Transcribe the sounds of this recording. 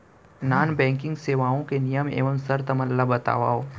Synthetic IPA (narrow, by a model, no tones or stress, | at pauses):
naːnbɛ̃ːŋkɪ̃ŋɡseːʋaːõkenɪjəmḛːʋəmsɐɾt̪ɐmɐlːabɐt̪a̰ːʋaːɦoː